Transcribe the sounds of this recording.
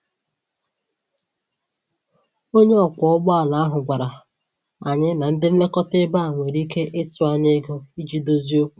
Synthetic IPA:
o˦ɲe˦ɔ˨kʷɔ˨ɔ˦ɡ͡ba˦a˨na˨a˦ɦʊ˨ɡʷa˨ɾa˨ | a˨ɲɪ˦na˨n̩˦dɪ˦m̩˦le˦kɔ˦te˦ba˦a˨ŋʷe˨ɾi˦ke˦ʔɪ˦tʊ˨a˨ɲe˦ɡo˦i˦d͡ʒi˦do˦zi˦o˦

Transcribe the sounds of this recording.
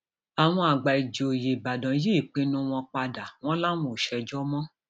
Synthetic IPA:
a˨w̃ɔ̃˧a˨ɡ͡ba˨i˨d͡ʒo˨je˨ba˨dɔ̃˨˦je˦i˦˨k͡pẽ˦nũ˦w̃ɔ̃˧k͡pa˧da˨w̃ɔ̃˦la˦mũ˨ʃɛ˧d͡ʒɔ˦mɔ̃˦

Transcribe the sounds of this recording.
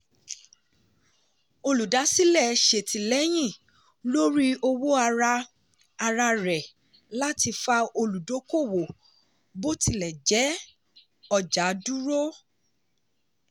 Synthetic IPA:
o˧lu˨da˨˦si˦lɛ˦˨ʃe˨tʰi˨lɛ˦j̃ĩ˦˨ | lo˦ɾi˦o˧wo˦a˧ɾa˧ | a˧ɾa˧ɾɛ˨ | la˦ti˧fa˧o˧lu˨do˨˦ko˦˨wo˨ | bo˦tʰi˧lɛ˨d͡ʒɛ˨˦ | ɔ˧d͡ʒa˨˦du˦ɾo˦

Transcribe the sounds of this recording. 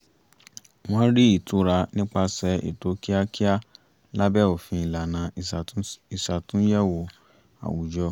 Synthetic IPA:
w̃ɔ̃˦ɾi˦i˦˨tu˨˦ɾa˧nĩ˦k͡pa˧sɛ˨˦ḭ˨to˨˦ki˦a˦ki˦a˦ | la˦bɛ˦˨o˨fĩ˧i˨la˨nã˨i˨sa˨tũ˨˦jɛ˦˨wo˧ | a̰˨wu˨d͡ʒɔ˧˦

